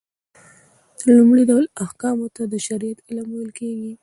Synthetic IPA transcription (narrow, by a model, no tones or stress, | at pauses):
d̪̥əɾlumɽiɖawlahkɑmot̪ad̪əʃaɾijat̪ɪlɑməwəlkeɡi